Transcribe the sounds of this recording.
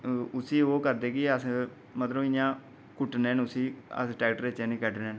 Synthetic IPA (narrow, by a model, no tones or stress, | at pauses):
ʊsiːoːkəɾd̪eːkɪəs | mət̪ləbɪjãː | kʊʈneːnʊsiːə̰sʈɛːkʈɾeːt͡ʃeːniːkɛʈneːn